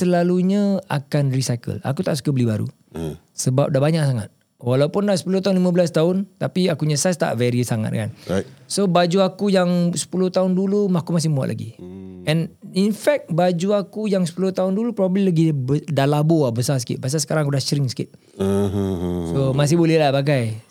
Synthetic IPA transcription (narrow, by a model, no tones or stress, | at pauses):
səlaluɲəa̰kanrisajkə̰la̰kut̪a̰ʔsu̥kəbəlibaɾṵ | səba̰p̚dabaɲaʔsaŋa̰t̪̚ | walaupʊndahsə̥pulʊht̪aɦʊnlimãbəlast̪aʊnt̪apiakuɲasast̪a̰ʔveɾisaŋa̰t̪̚ka̰nsobad͡ʒuakujaŋsə̥pulʊht̪aʊndulumakumas̬ɪhmua̰ʔlʔa̰ɡḭɛninfɛk̚t̪̚bad͡ʒuakujaŋsə̥pulʊht̪aʊndulupɾɔbablilaɡibədalaboahbəsasə̥kḭʔ̚bas̬asə̥kaɾãŋakudahsɾiŋsə̥kit̪̚ | somas̬ɪhbolɛhlapak̬aj